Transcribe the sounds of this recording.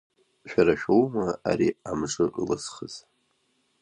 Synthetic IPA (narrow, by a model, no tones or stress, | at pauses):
ʃᶣaɾaʃᶣowmaa̰ɾiamʐɨʔlɨsχəz̥